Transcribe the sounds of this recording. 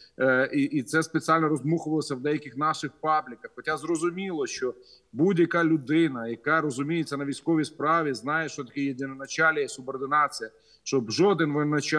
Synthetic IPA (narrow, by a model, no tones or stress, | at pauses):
iʔːt̪sɛspet͡sʲialʲnɔɾɔzmuxʊʋɐlˠɔsʲɐwd̪ɛjɐkɪxnɑʃɪxpɑblʲɪkɐxxɔtʲazrɔzʊmʲilˠɔʃt͡ʃɔbudʲjɐkɑlʲʊd̪ɪnɐjɐkɑɾɔzʊmʲijet͡sʲːɐnɐʋʲijsʲkɔʋʲispɾɑʋʲiznɑjeʃt͡ʃɔt̪ɐkʲɪjed̪ʲɪnɔnɐt͡ʃɑlʲɐjɛsʊbɔrd̪ɪnɑt͡sʲijɐ | ʃt͡ʃɔbʒɔd̪ɪnʋɪnɐt͡ʃ